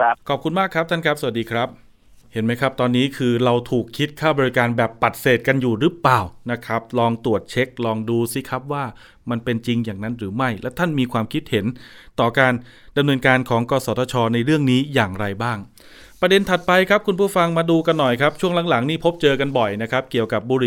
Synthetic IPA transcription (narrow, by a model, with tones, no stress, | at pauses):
kʰɔː˨˩p̚kʰu˧nmaː˥˩kʰɾa˦˥p̚t̪ʰa˥˩nkʰa˦˥p̚sa˨˩a˨˩t̚diː˧kʰɾa˦˥p̚ | he˩˦nma˦˥jkʰɾa˦˥p̚t̪ɔː˧nːiː˦˥kʰɯː˧ɾa˧wt̪ʰuː˨˩kʰːi˦˥t̪̚kʰaː˥˩bɔː˧ɾi˦˥kaː˧nbɛː˨˩pːa˨˩t̪̚seː˨˩t̪̚ka˧njuː˨˩ɾɯ˦˥plaː˨˩wna˦˥kʰɾa˦˥p̚lɔː˧ŋt̪u˨˩ət̪̚t͡ɕʰe˦˥k̚lɔː˧ŋduː˧si˦˥kʰɾa˦˥p̚waː˥˩ | ma˧npe˧nt͡ɕi˧ŋjaː˨˩ŋna˦˥nɾɯː˩˦ma˥˩jlɛ˦˥wt̪ʰa˥˩nmiː˧kʰwaː˧mkʰi˦˥t̪̚he˩˦nt̪ɔː˨˩kaː˧n | da˧mnɤː˧nkaː˧nkʰɔː˩˦ŋkɔː˧sɔː˩˦t̪ɔ˧t͡ɕʰɔː˧na˧jɾɯ˥˩əŋniː˦˥jaː˨˩ŋɾa˧jbaː˥˩ŋ | pɾa˧de˧nt̪ʰa˨˩t̪̚pa˧jkʰɾa˦˥p̚kʰu˧npʰuː˥˩fa˧ŋmaː˧duː˧ka˧nːɔ˨˩jkʰɾa˦˥p̚t͡ɕʰu˥˩ŋla˩˦ŋla˩˦ŋniː˥˩pʰo˦˥p̚t͡ɕɤː˧ka˧nbɔ˨˩jna˦˥kʰɾa˦˥p̚ki˨˩əwka˨˩p̚buː˧ɾi˨˩